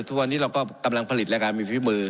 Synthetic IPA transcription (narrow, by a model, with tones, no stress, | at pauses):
t̪ʰu˦˥k̚wa˧nːiː˦˥ɾa˧wkɔː˥˩ka˧mla˧ŋpʰa˧li˨˩t̪̚lɛ˦˥kaː˧nmiː˧˩pʰi˦˥mɯː˧